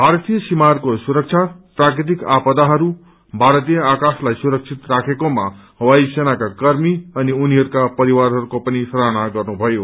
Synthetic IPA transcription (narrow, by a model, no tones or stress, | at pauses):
bʱaɾt̪ijʌsimarkosuɾʌk̚t͡ʃʰaprakɾit̪̬ikapʌd̪aɦʌɾu | bʱaɾʌt̪ijʌakaslajsuɾʌk̚t͡ʃʰit̪rakʰekomaɦwajsenakakʌɾmiʌniuniɦʌɾukapʌɾiwaɾɦʌɾukopʌnisʌɾanaɡʌrnubʱʌjo